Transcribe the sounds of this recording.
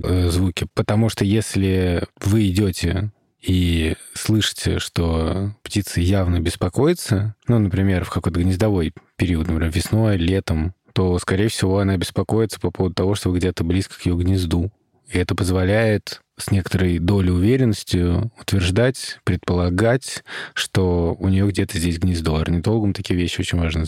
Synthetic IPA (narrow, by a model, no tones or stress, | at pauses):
zvukʲɪpət̪ɐmuʂt̪ojesʲlʲɪvɨɪdʲotʲɪ̰ | islˠɨʂɨ̥tʲɪ̰ʂt̪o̞ptʲit̪səjavnəbʲɪspɐko̞jɪt̪sənunəpɾʲɪmʲe̞rfkɐko̞jt̪əɡnʲɪzd̪ɐvo̞jpʲɪɾʲiət̪npɾʲɪmʲevʲɪsno̞jlʲe̞t̪əmt̪o̞skɐɾʲejəfsʲɪvo̞ɐnabʲɪspɐko̞jɪt̪sə̥pɐpovəd̪ʊt̪ɐvo̞ʂt̪o̞bəɡdʲe̞t̪əblʲiskə̥kjɪjo̞ɡnʲɪzd̪u | ɪɛt̪əpəzvɐlʲæjɪt̪ | sʲnʲe̞kə̥t̪əɾəjd̪o̞lʲɪʊvʲeɾʲɪnːəsʲtʲɪjʊʊt̪vʲɪrʐd̪atʲpɾʲɪt̪̚pəlˠɐɡatʲʂt̪o̞ʊnʲɪjo̞ɡdʲet̪əzʲdʲesʲɡnʲɪzd̪uarnʲɪd̪o̞lˠɡəmt̪ɐkʲijəvʲeɕːɪo̞t͡ɕɪnʲvaʐnə